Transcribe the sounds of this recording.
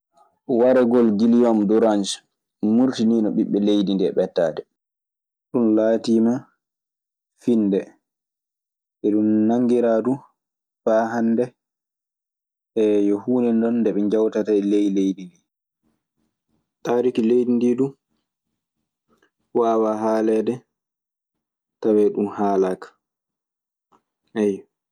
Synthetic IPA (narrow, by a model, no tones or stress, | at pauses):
waɾɛɡɔlɡilijɔmdɔɾand͡ʒ | muɾtiniːnɔɓiɓːɛlejdindɛɓɛtːaːdɛ | ɗunlaːtiːma | finːdɛ | ʔɛɗumnaŋɡiɾaːdu | faːɦandɛ | ʔɛjɔhuːnɛndɔnːdɛɓɛɲd͡ʒawtatalejlejdindi | taːɾikilejdindidu | waːwaɦaːlɛdɛ | tawɛɗunhaːlakḁ | ʔɛj